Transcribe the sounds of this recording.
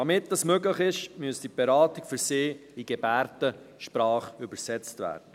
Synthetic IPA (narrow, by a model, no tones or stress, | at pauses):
ɑmɪt̚dɑsmøɡləχɪʃmyəsd̥ib̥ɛɾɑːtikfʏɾsɪːiɡ̥ɛbæːrtə | ʃpɾɑːχʏbəɾsɛt͡stvæ̰ːrdə